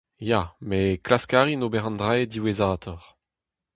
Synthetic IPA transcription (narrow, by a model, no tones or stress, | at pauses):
jameklaskaːʁinobɛʁɑ̃nd̪ʁad̪iwezaːt̪ʰɔʁ